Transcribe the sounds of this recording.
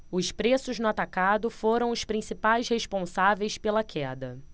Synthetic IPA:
ʊspɾesʊznʊat̪akad̪ʊfoɾɐ̃w̃ʊspɾĩsipajsheʃpõsavejspelɐkʰɛd̪ɐ

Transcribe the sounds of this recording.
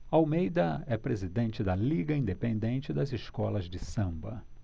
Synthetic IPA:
awmejd̪ɐɛpɾezid̪ẽnt͡ʃɪd̪ɐliɡɐĩnd̪epẽnd̪ẽnt͡ʃɪd̪ɐzɪskɔlɐzd͡ʒɪsɐ̃mbɐ

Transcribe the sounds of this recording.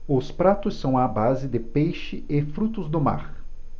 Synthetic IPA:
ʊspɾat̪ʊsːɐ̃w̃abazɪd̪ɪpejʃɪʔɪfɾut̪ʊzd̪ʊma̰ɾ

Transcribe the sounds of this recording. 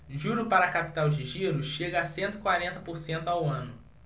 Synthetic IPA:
ʒuɾʊpaɾɐːkapi̥t̪awd͡ʒɪʒiɾʊʃeɡɐːsẽnt̪ʊikwaɾẽnt̪ɐpoɾsẽnt̪ʊawɐ̃nʊ

